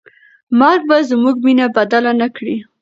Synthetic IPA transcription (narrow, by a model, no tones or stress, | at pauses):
mɑɡ̚bazmuɡminabad̪alanakɽi